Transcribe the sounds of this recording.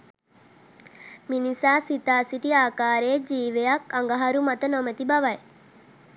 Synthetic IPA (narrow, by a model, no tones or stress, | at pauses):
minisaːsit̪aːsiʈiaːkaːɾejd͡ʒiːʋejakaŋɡəɦaɾumat̪ənomət̪ibaʋaj